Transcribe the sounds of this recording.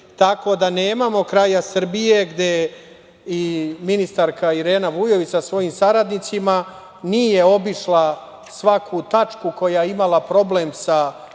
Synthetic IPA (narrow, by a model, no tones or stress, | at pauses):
t̪ako̞d̪ane̞ːmamo̞kɾajasr̩bije̞ɡd̪e̞ | iminist̪aɾkaiɾe̞ːnaʋujo̞ʋit͡ʃ̪asʋo̞jimsaɾad̪nit̪sima | nije̞o̞biʃla | sʋakʰut̪at͡ʃkuko̞jajeimalˠapɾo̞ble̞msa